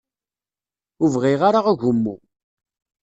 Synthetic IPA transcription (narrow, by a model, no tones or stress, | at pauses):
ʊvʁɪʁaɾaʁæʝəmːṵ